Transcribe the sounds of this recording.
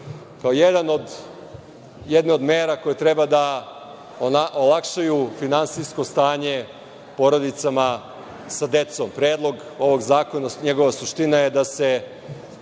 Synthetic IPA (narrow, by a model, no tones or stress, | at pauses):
kaojed̪anod̪ | jed̪neo̞d̪meːɾako̞jet̪ɾebad̪a | aʔolˠakʃajufinansisko̞st̪aːɲe̞ | po̞ɾo̞d̪it̪sama | sad̪e̞t̪sompɾe̞ːd̪lˠo̞ɡo̞ʋo̞ɡzaːko̞naɲeɡo̞ʋasuʃt̪inajed̪ase